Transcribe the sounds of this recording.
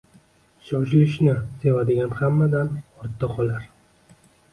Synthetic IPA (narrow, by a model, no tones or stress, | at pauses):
ʃɒʃɪlɪʃnɪse̞vad̪ɪɡʲanhamːad̪anɒɾt̪ʰːɨqʰɒlaɾ